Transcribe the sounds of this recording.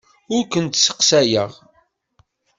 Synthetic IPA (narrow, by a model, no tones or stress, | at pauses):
ʊɾkənt̪sə̥qsæjəʁ